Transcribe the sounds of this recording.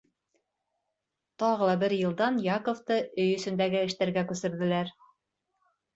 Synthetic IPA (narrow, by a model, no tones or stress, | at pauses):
t̪ɑʁɤ̆lˠɑbɘɾjɤ̆lˠd̪ɑnjɑkoft̪ɤɵjɵ̆sɵ̆nd̪æɡɘɘ̆ʃt̪æɾɡækʉsɘ̆ɾðɘ̆læɾ